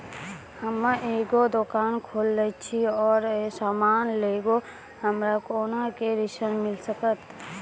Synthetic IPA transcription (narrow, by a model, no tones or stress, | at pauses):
həmaʔeːɡod̪okaːnkʰoːlːət͡ʃʰiɔːɾsaːmaːnleːɡo | həmɾakoːnakeɾɪʃənmɪlsəkət̪